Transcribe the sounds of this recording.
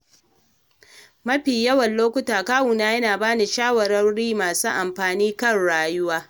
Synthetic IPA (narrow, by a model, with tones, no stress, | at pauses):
mɐ˦ɸiː˨jɐ˦wɐ˨nloː˦kʷʊ˦taː˨kaː˦wu˨naː˦jɐ˦naː˨baː˦ni˨ʃaː˦wɐ˨ɾɐ˦nɽiː˦maː˨suː˦ʔa˨mɸaː˨niː˦kɐ˦˨nɽaː˦jʊ˦waː˦